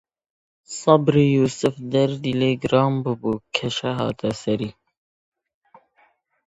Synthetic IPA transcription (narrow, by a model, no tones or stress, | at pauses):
sˤɑbɾijuːsɨfd̪ɛɾd̪iːleɡɾɑːmbɨbukʰɛʃɛɦɑ̰ːt̪ʰɛsɛɾiː